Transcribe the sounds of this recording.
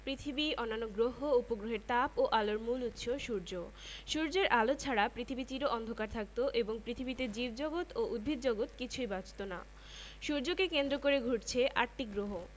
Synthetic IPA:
pɾit̪ʰibiɔnːanːoɡɾoɦoupoɡɾoɦeɾt̪apoʔaloɾmulut̪ːʃʰoʃuɾd͡ʑo | ʃuɾd͡ʑeɾʔalot͡ɕʰaɽapɾit̪ʰibit͡ɕiɾoʔɔnd̪ʱokaɾt̪ʰak̚t̪oʔeboŋpɾit̪ʰibit̪ed͡ʑibd͡ʑɔɡot̪oʔud̪̚bʱid̪̚d͡ʑɔɡot̪kit͡ɕʰujbat͡ɕt̪ona̰ | ʃuɾd͡ʑokekend̪ɾokoɾeɡʱuʈt͡ɕʰeʔaɾʈiɡɾoɦo

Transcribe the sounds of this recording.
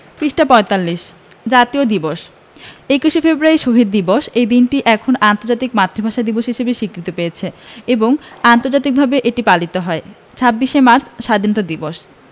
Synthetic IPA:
piʃʈapɔet̪alːiʃ | d͡ʑat̪iod̪iboʃ | ekuʃefebɾuaɾiʃoɦid̪̚d̪iboʃejd̪inʈiʔɛkʰonant̪oɾd͡ʑat̪ikmat̪ːɾobʱaʃad̪iboʃɦiʃebeʃikɾit̪opejet͡ɕʰeeboŋant̪oɾd͡ʑat̪̬ik̚bʱabeʔeʈipalit̪oɦɔe | t͡ɕʰabːiʃemaɾt͡ɕʰʃad̪ʱinot̪ad̪iboʃ

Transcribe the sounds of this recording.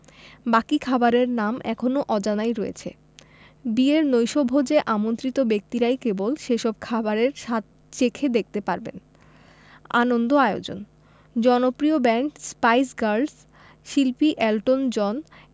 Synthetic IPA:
bakikʰabaɾeɾnamʔɛ̰kʰonoʔɔd͡ʑanajɾɔḛt͡ɕʰḛ | bieɾnojʃɔbʱod͡ʑeʔamont̪ɾit̪obek̚t̪iɾajkebolʃeʃɔb̚kʰabaɾeɾʃat̪̚ | t͡ɕekʰed̪ek̚t̪epaɾbḛn | a̰nond̪oaeo̰d͡ʑo̰n | d͡ʑɔnopɾiobɛɳʈspajsɡaɾɖs | ʃilpiʔɛlʈond͡ʑɔn

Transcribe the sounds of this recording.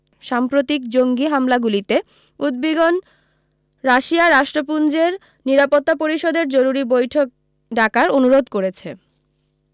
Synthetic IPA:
ʃampɾot̪ikd͡ʑoŋɡiɦamlaɡulit̪e | ud̪̚beɡon | ɾaʃiaɾaʃʈɾop̬und͡ʑeɾ | niɾapot̪ːapoɾiʃod̪eɾd͡ʑoɾuɾibojʈʰok̚ | ɖakaɾonuɾod̪koɾet͡ɕʰe

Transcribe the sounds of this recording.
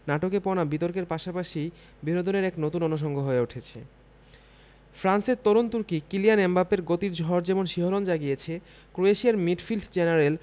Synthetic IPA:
naʈokepɔnabit̪oɾkeɾpaʃapaʃi | binod̪ʱoneɾɛknot̪unonoʃ̬ɔŋɡʱoɦoeoʈʰet͡ɕʰḛ | fɾanseɾt̪oɾont̪uɾkikilianembapeɾɡot̪iɾd͡ʑʱɔɾd͡ʑɛmonʃiɦoɾond͡ʑaɡijet͡ɕʰe | kɾoeʃiaɾmiɖfild̪ʰd͡ʑenaɾel

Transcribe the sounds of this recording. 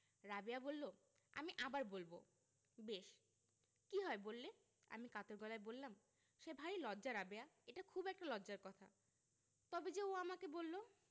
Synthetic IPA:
ɾabeabolːo | a̰miʔabaɾbolbo̰ | beʃ | kiɦɔebolːe | a̰mikat̪oɾɡɔlaebolːam | ʃebʱaɾilɔdːd͡ʑaɾabeaeʈakʰubɛk̚ʈalɔd͡ʑaɾkɔt̪ʰa̰ | t̪ɔbed͡ʑeoamakebolːo

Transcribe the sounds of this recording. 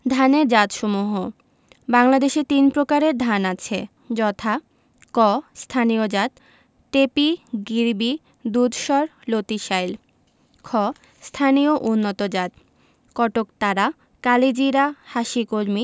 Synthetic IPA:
d̪ʱaneɾd͡ʑat̪ʃɔmuɦo | baŋlad̪eʃet̪inpɾokaɾeɾd̪ʱanat͡ɕʰḛ | d͡ʑɔt̪ʰa | kɔst̪ʰaniod͡ʑat̪̚ | ʈepiɡiɾbi | d̪ud̪ʱʃɔɾlot̪iʃajl | kʰɔ | st̪ʰanioʔunːot̪od͡ʑat̪ | kɔʈokt̪aɾa | kaled͡ʑiɾahaʃikoɾmi

